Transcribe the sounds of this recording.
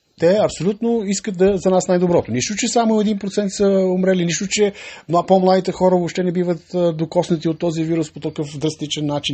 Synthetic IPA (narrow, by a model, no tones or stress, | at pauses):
t̪ɛɐpsolʲut̪noiskət̪̚d̪ɐzɐnasnajd̪obɾɔt̪oniʃt̪ʊt͡ʃɛsamoɛd̪inpɾot̪sɛnt̪sɐomɾɛliniʃt̪ʊt͡ʃɛnapomlˠad̪it̪ɛxɔɾəvoʃt̪ɛnɛbivət̪əd̪okɔsnət̪iot̪ːɔziviɾʊspot̪ɐkɤfd̪ɾɐst̪it͡ʃɛnːat͡ʃin